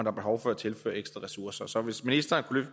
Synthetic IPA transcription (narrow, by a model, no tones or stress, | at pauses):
ndɑ̈b̥e̝ɦɒʊfɒ̽æt͡sʰe̝lfø̰ːɐeɡ̥sd̥ʁɐʁɛsuɐsɐsɒ̽ʋe̝sminisd̥ɐːnkʰulø